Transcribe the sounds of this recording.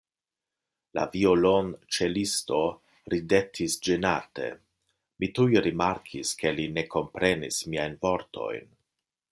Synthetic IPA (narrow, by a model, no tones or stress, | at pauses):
la̰violont͡ʃe̞listo̞ | ɾide̞tʰisd͡ʒenate̞̰ | mitujɾimaɾkʰiske̞line̞ko̞mpɾe̞nḭsmiajnvo̞ɾtʰo̞̰jn